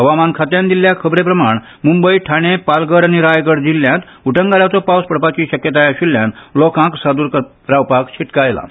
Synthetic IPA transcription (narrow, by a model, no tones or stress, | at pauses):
ɦəʋamankʰat̪jãnd̪iljakʰəbɾepɾəmaɳ | mumbəiʈʰaɽ̃epalɡəɾaɽ̃iɾajkəɽd͡ʑilːjãt̪ | uʈə̃ŋɡaljat͡sɔpawspəɽpat͡ɕiːɕəkjət̪ajaɕilːjãnlɔkãksad̪uːɾk | ɾawpakɕʰiʈkajla̰